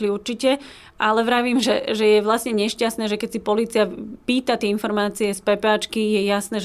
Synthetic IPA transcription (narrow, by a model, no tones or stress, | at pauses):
liuɾt͡ʃicɛ | ʔalɛʋɾaʋiːmʒɛʒɛjɛʋlasɲɛɲɛʃcast̪nɛːʒɛkɛsipɔliːt͡siapiːt̪at̪ɪɛinfɔɾmaːt͡siɛspɛpaːt͡ʃkijɛjasnɛː